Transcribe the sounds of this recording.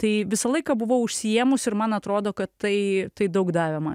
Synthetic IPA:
t̪ɐɪʋʲɪsɐlˠɐɪkɐbʊʋoʊʃʲsʲɪjeːmʊsɪɾmɐnɐt̪ɾoːd̪oːkɐt̪ːɐɪt̪ɐɪd̪ɐʊkd̪ɑːʋʲɛmɐn

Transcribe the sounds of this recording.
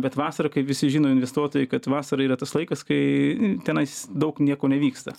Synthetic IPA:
bʲɛt̪ʋɑːsɐɾɐkɐɪpʋʲɪsʲɪʒʲiːnoːɪnʲʋʲɛst̪uɔt̪oːjɛɪkɐt̪ʋɑːsɐɾɐiːɾɐt̪ɐslˠɐɪkɐskɐɪt̪ʲɛnɐɪsd̪ɐʊknʲiɛkoːnʲɛʋʲiːkst̪ɐ

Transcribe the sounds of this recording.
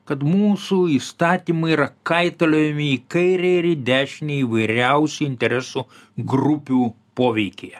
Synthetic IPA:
kɐt̪muːsuist̪ɑːt̪ʲiːmɐɪiɾɐkɐɪt̪ɐlʲoːjɛmʲɪikɐɪɾʲɛɪɾɪd̪ʲæːʃʲnʲeiʋɐɪɾʲɛʊsʲuɪnʲt̪ʲɛɾʲɛsuɡɾʊpʲuː | poːʋʲɛɪkʲejɛ

